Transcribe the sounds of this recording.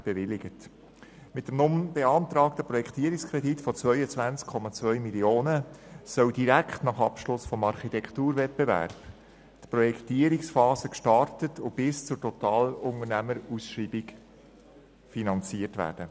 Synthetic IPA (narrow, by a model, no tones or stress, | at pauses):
b̥eʋɪlɪɡət | mɪtdəmnʊmb̥eɑnt̪ɾɑːktəpɾɔjɛkʰt̪iəɾikskʰɾɛditfɔt͡svœʏət͡sʋænt͡skʰːɔmɑt͡sʋœʏmilioːnəsœldiɾækχtnɑχɑpʃlʊsfɔmɑɾχitɛkʰtuːɾvɛt̚b̥evæ̰ɾb̥ | tpɾɔjɛkʰt̪iəɾiksfɑːsəkʃtɑrtətʰʊb̥ɪst͡sʊɾtɔtɑːlʊŋənæməɾusʃriːbik | finɑnt͡siərtʋæ̰ːɾd̥ə